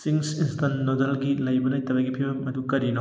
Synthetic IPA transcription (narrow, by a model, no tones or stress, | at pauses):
siŋsinstʰɐnːodɐlɡilɐjbɐnɐjtɐbɐjɡipʰibɐmɐdukɐɾino